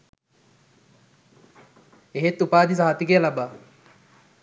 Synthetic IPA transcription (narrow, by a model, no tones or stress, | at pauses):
eɦet̪ːupaːd̪is̬aɦat̪ikejəlabaː